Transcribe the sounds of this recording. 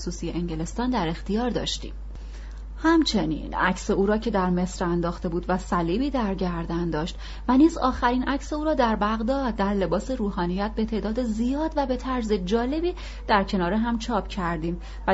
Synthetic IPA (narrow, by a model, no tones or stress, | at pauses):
suːsijeʔeɲɟele̞st̪ɒːnd̪æɾe̞xt̪ijɒːɾd̪ɒ̰ːʃt̪ḭːm | hæmt͡ʃʰe̞nḭːnæ̰cseuːɾɒːcʰe̞d̪æɾme̞sɾænd̪ɒːxt̪e̞buːd̪væsæliːbiːd̪æɾɟæɾd̪ænd̪ɒːʃt̪ | væniːzɒːxæɾiːnʔæcse̞uːɾɒːd̪æɾbæɣd̪ɒːd̪̚ːæɾle̞bɒːseɾuːɦɒːnijæt̪̚be̞t̪ʰeʔd̪ɒːd̪ezijɒːd̪væbe̞t̪ʰæɾze̞d͡ʒɒːle̞biː | d̪̥æɾcʰe̞nɒːɾeɦæmt͡ʃʰɒːpʰcʰæɾd̪iːm | væ